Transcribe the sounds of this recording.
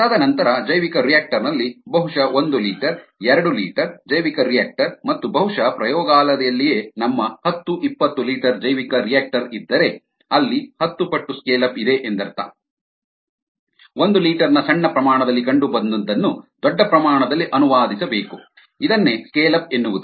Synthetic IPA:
ɐd̪ɐnɐnt̪ɐɾɐd͡ʒɐjʋikɐɾijaːk̚ʈɐɾnɐlːibɐɦuʂɐʔond̪uliːʈɐɾɛɾɐɽulḭːʈɐɾd͡ʒɐjʋikɐɾijaːk̚ʈɐɾmɐt̪ːubɐɦuʂɐpɾɐjɔːɡaːlɐd̪ɛjɐlːijeːnɐmːɐhɐt̪ːuʔipːɐt̪ːuliːʈɐɾd͡ʒɐjʋikɐɾijaːk̚ʈɐɾid̪ːɐɾe̞ | ɐlːihɐt̪ːupɐʈːuskeːlɐpid̪e̞ʔend̪ɐɾt̪a̰ | ond̪uliːʈɐɾnɐsɐɳːɐpɾɐmaːɳɐd̪ɐlːikɐɳɖubɐnd̪ɐnt̪ɐnːud̪ɔɖːɐpɾɐmaːɳɐd̪ɐlːiʔɐnuʋaːd̪isɐbeːku | id̪ɐnːeskeːlɐpenːuʋud̪u

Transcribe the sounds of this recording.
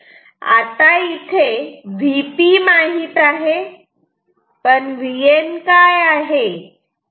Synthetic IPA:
a̰t̪ait̪ʰeʋipimaɦit̪aɦe | pəɳʋijenkajaɦe

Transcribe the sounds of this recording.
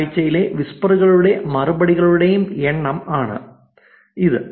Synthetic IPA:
t͡ɕːɐjile̞ʋispɐruɣɐɭuɽe̞mɐrubɐɽiɣɐɭuɽejumeɳːɐmaːɳɨ̰ | iðɨ

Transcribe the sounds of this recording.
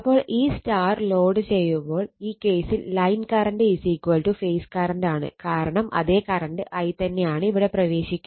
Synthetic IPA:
ɐpːo̞ːɭʔiːstaːrlo̞ːɖɨt͡ɕe̞jːumbo̞ːɭiːkːe̞ːsilːɐjnkɐɾɐɳɖɨisiːkːʋɐlʈufejskɐɾɐɳɖaːɳɨ̰kaːɾɐɳɐmʔɐ̰ðe̞ːkɐɾɐnɖɨʔɐjt̪ɐnːe̞jaːɳɨiʋiɽe̞prɐʋe̞ːɕikʲː

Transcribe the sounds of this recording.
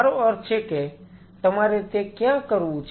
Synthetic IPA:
ɾoɔɾt͡ʃʰeke | t̪əmaːɾet̪ekjãkəɾut͡ʃ

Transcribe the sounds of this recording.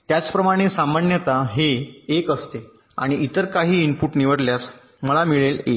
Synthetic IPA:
t̪jat͡spɾəmaɽ̃esamanjət̪aɦeːkəst̪e | a̰ɽ̃iʔit̪əɾkaɦiːinpuʈniʋəɽljas | məlamiɭelḛ

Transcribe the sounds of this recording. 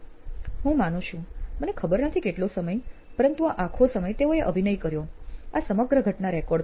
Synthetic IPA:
ɦũmanũʃũmənekʰəbəɾnət̪ʰikeʈlosəməjpəɾənt̪uaʔakʰosəməjt̪eoeʔəbʱinəijkəɾjoasəməɡɾəɡʱəʈnaɾɛkɔɖ

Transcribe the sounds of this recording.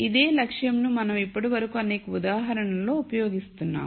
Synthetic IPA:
id̪e̞ːlɐkʂjɐmnumɐnɐmipːɐʈiʋɐɾɐkuɐneːkɐud̪aːɦɐɾɐɳɐllo̞ːupɐjo̞ːɡist̪unːa̰ːm

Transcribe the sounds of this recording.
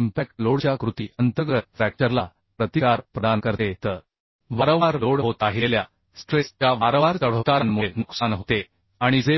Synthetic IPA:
impæk̚ʈloɽt͡ɕjakɾut̪iʔənt̪əɡət̪̚ʈɾæk̚t͡ɕəɾla | pɾət̪ikaɾpɾəd̪ankəɾt̪et̪əɾ | ʋaɾəʋaɾloɽɦot̪aɦilelja | sʈɾest͡ɕjaʋaɾəʋaɾt͡səɭ̤ət̪aɾanmuenuksanɦot̪e | aɽ̃id͡ze

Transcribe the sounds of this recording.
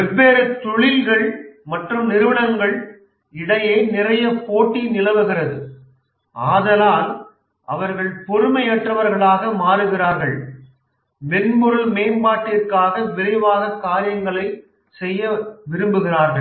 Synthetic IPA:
ɛbeːɾɯt̪ːʊɻɪlɣɐɭmɐʈrɯmnɪɾɯʋɐɳɐŋɡɐɭ | ɪɽɐjɐɪnɪrɐjɐpoːʈːinɪlɐʋɯɣɪrɐðɯ | ʔaːðɐlaːl | ʔɐ̰ʋɐɾɣɐɭpɔɾɯmɐjɐʈrɐʋɐɾɣɐɭaːɣɐmaːɾɯɣɪraːɾɣɐɭ | mɛnmʊɾɯlmeːnbaːʈːɪrkaːɣɐʋɪɾɐɪʋaːɣɐkaːɾɪjɐŋɡɐɭɐɪ | sɛjːɐʋɪɾɯmbɯɣɪraːɾɣɐɭ

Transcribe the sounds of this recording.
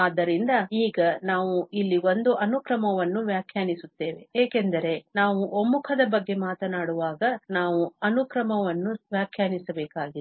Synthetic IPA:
aːd̪ːɐɾind̪ɐiːɡɐnaːʋuilːio̞nd̪uʔɐnukɾɐmɐʋɐnːuʋjaːkʰjaːnisut̪ːe̞ːʋe̞eːkend̪ɐɾe̞naːʋuʔomːukʰɐd̪ɐbɐɡːe̞maːt̪ɐnaːɽuʋaːɡɐnaːʋuɐnukɾɐmɐʋɐnːuʋjaːkʰjaːnisɐbɛːkaːɡi

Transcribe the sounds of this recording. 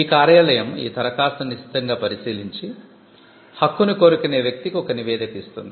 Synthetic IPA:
iːkaːɾjaːlɐjɐmḭːt̪ɐɾɐkaːsɐniʃi̥t̪ɐŋɡaːpɐɾisiːliɲt͡ʃi | hɐkːunuko̞ːɾukuneːʋjɐk̚t̪ikiɔkɐniʋɛːd̪ɐkist̪und̪i

